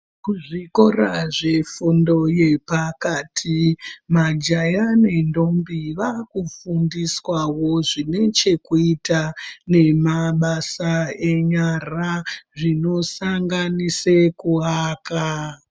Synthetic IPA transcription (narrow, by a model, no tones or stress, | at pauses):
kuʐiko̞raʐe̞fundo̞je̞pakaːtʰimad͡ʒajane̞ndo̞mbiʋakufundiswawo̞ʐine̞t͡ʃe̞kuitane̞maɓasae̞ɲaraʐino̞saŋɡanisekuaːka